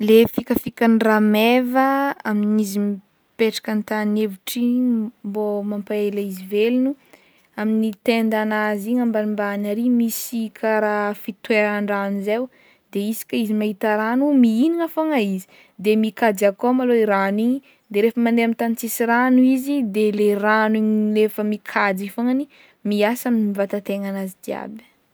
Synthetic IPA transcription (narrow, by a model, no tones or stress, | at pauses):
lefikəfikanramevəaminizim | peʈ͡ʂḁkant̪anevuʈ͡ʂimbomampaelaizivelunu | aminit̪end̪anaziɲambanimbanaɾimisikʰaɾafit̪weɾaɳɖ͡ʐanizew | d̪eisi̥kʲaizimaɦit̪aɾanumiiniŋafaŋaizi̥ | d̪emikad͡zakomaloiɾaniɲi | d̪eɾefəmand̪eamint̪ant͡sisiɾanuizid̪eleraniɲlefəmikʰad͡zifoŋani | miasaminivat̪at̪eŋanazid̪ia̰b